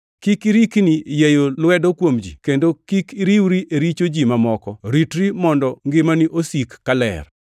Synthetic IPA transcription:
kikiɾiknijejolwɛdokwomd͡ʒḭkendokikiɾiwɾiʔeɾit͡ʃod͡ʒimamɔkɔɾitɾimɔndɔŋɡɪmaniʔosikːalɛ̰r

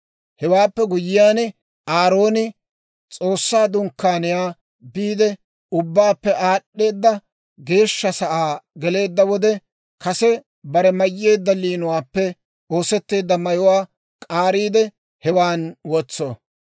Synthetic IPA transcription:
hɛwaːpːɛɡʊjɪjaːn | aːɾo̞ːnɪ | t͡sʼo̞ːsːaːd̪ʊŋkːaːnɪjaː | biːd̪ɛ | ʊbːaːpːɛʔaːɗːe̞ːd̪ːɐ | ɡe̞ːʃːɐsɐʔaːɡɛle̞ːd̪ːɐwɔd̪ɛ | kɐsɛ | bɐɾɛmɐjːeːd̪ːɐliːnʊwaːpːɛ | o̞ːsɛt̪ːe̞ːd̪ːɐmɐjʊwaː | kʼaːɾiːd̪ɛ | hɛwaːnwɔt͡sːo

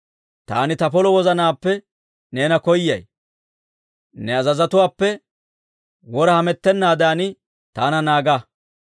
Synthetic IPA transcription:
t̪a̰ːnɪt̪ɐpɔlɔwɔzɐnaːpːɛ | ne̞ːnɐkɔjːɐ̰j | nɛɐzɐzɐt̪ʊwaːpːɛ | wɔɾɐhɐmɛt̪ːɛnːaːd̪aːnɪ | t̪aːnɐnaːɡɐ

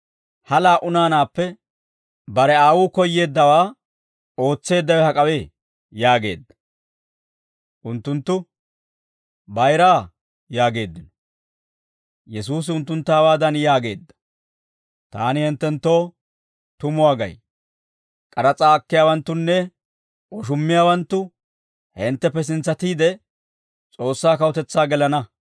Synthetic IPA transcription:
hɐlaːʔʊnaːnaːpːɛ | bɐɾɛaːwʊːkɔjːe̞ːd̪ːɐwaː | o̞ːt͡sːe̞ːd̪ːɐwɛhɐkʼɐweː | jaːɡe̞̰ːd̪ːɐ̥ | ʔʊnt̪ːʊnt̪ːʊ | bɐjɾaː | jaːɡe̞ːd̪ːɪnɔ̥ | jɛs̬uːs̬ɪʊnt̪ːʊnt̪ːaːwaːd̪ɐnjaːɡe̞ːd̪ːɐ̥ | t̪aːnɪhɪnt̪ːɛnt̪ːo̞ː | t̪ʊmʊaːɡɐ̰j | kʼɐɾɐt͡sʼaːɐkːɪjaːwɐnt̪ːʊnːɛ | ʔɔʃ̬ʊmːɪjaːwɐnt̪ːʊ | hɛnt̪ːɛpːɛs̬ɪnt͡sːɐt̪iːd̪ɛ | t͡sʼo̞ːsːaːkɐwʊt̪ɛt͡sːaːɡɛlɐnɐ

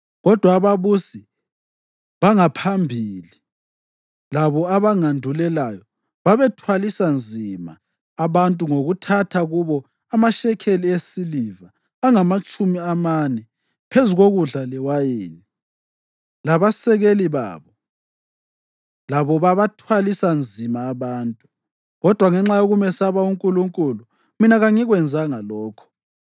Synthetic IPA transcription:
ɣɔd̥ʱwaːβaβusi | βaŋapʰambʱiːli | laβɔaβaŋandʱulɛlajɔ | βaβɛtʰwalisand͡zʱima̰ː | βantʼuŋoɣutʰatʰaɣuβɔ | amaʃɛkʰeliesilivaː | ŋamat͡ʃʼumiamanɛ | pʰezuɣoɣuɮalɛwajeːni | laβasɛɣeliβa̰ːβɔ | laβɔβaβatʰwalisand͡zʱimaːβaːntʼu | ɣɔd̥ʱwaŋɛŋ͡ǁajoɣumɛsaβauŋkʼuluŋkʼulu | minaɣaŋiɣwɛnd͡zʱaŋalɔːkʰɔ̥

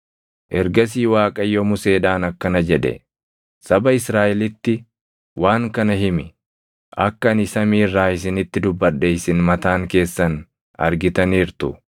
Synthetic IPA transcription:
ʔɛɾɡɐs̬iːwaːkʼɐjːɔmʊse̞ːᶑaːnɐkːɐnɐd͡ʒɛᶑɛ̰ | sɐbɐɪsɾaːʔɛlɪt̪ːɪ | wʔaːŋkɐnɐɦɪmɪ | ʔɐkːɐɐnɪsɐmiːrːaːɪs̬ɪnɪt̪ːɪd̪ʊbːɐɗːɛɪsɪnmɐt̪aːŋke̞ːsːɐn | ɐ̰ɾɡɪt̪ɐniːɾt̪ʊ

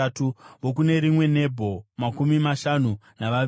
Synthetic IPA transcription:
tuʋok̬une̞ɾimwe̞ne̞bʱo̞makumimaʃanu | naʋa

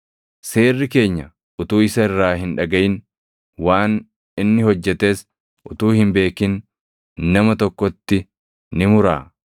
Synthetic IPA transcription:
se̞ːrːɪke̞ːɲːɐ | ʔʊt̪uːɪsɐɪrːaːɦɪnᶑɐɡɐʔɪn | waːn | ɪnːɪhɔd͡ʒːɛt̪e̞ːs | ʔʊt̪uːhɪmbe̞ːkɪn | nɐmɐt̪ɔkːɔt̪ːɪ | nɪmʊɾa̰ː

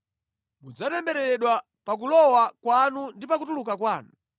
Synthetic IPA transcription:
mud͡zatɛmbɛɾɛɾɛɗwa | pak̬ulɔwakwanundipakutulukakwaːnu

